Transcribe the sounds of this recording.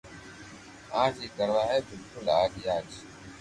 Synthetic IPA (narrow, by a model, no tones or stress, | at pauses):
aːd͡ʒiːkəɾnaːɦɛːbɪlkʊlaːɡijaːd͡ʒ